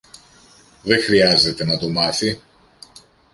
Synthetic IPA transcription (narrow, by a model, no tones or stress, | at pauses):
ðe̞xɾiɐze̞t̪e̞nɐt̪o̞mɐθi